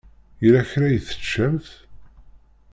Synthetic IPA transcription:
ilæçɾæjəθə̥t͡ʃːæmθ

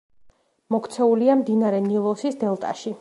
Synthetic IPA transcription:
mɔkʰt̪sʰɛuliamd̪inaɾɛnilˠɔsisd̪ɛlˠt̪ʼa̰ʃi

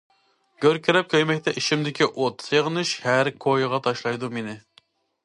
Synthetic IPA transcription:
ɡ̥ʲøɾkʲʰiɾɛp̚kʲʰøjmɛk̚ʲt̪ʰɛʔiʃimd̪ɪkʲʰiʔot̪seʁənɨʃhæɾkʰojʁɑt̪ʰɑʃlˠɑjd̪umenɪ

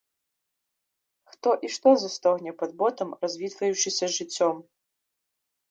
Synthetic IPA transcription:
xt̪ɔʔiʂt̪ɔzɐst̪ɔɣnʲɛpɐd̪̚bɔt̪ɐmrɐzʲvʲit̪vɐjut͡ʂɨsʲɐʐɨt͡sʲːɔm

